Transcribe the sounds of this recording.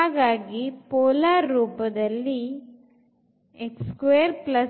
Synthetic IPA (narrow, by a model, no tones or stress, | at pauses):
aɡaːɡipɔːlaːɾːuːpɐd̪ɐlːi | ekskʋeːɾplɐ